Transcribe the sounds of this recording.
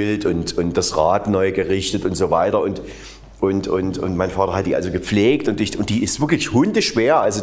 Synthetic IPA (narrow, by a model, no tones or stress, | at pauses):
ɪltʊntʊnt̚d̥asʁaːtnɔʏɡəʁɪçtətʊntz̥oːvaɪtɐʊnt | ʔʊntʊntʊ̰ntmaɪnfaːtɐhat̚d̥iːa̰lzoɡəp͡fleːk̚tʊntɪçʊnt̚d̥iːɪstv̥ɪɐklɪçhʊndəʃv̥eːɐʔalzo